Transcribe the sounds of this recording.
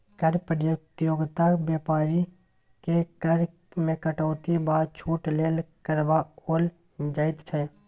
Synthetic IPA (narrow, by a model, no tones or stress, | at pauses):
kəɾpɾəjot̪joːɡt̪abjaːpaːɾi | kekəɾ | mẽkəʈoːt̪ibaːd̪t͡ʃʰuːʈleːlkəɾbaoːl | d͡ʒaːɪt̪t͡ʃʰɛː